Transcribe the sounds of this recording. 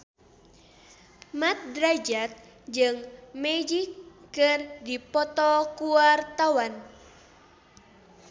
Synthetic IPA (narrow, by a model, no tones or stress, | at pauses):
mat̪̚dɾad͡ʒat̪̚ | d͡ʒɨŋmɛd͡ʒikːɨrdipɔt̪ɔkuart̪awan